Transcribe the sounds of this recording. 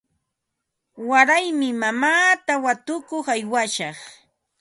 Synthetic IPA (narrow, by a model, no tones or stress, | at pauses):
waɾajmɪmamaːt̪awat̪ʊkoχajwaʃɑχ